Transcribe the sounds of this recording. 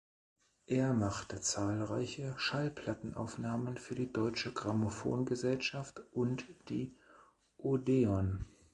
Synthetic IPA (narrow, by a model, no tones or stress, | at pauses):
ʔeːɐmaχtət͡saːlʁaɪçəʃalpʰl̥atn̩ʔa̰ʊfnaːmənfyːɐdiːdɔʏt͡ʃəɡʁamofo̰ːnɡəzɛlʃaftʔʊntd̥iː | ʔodeɔn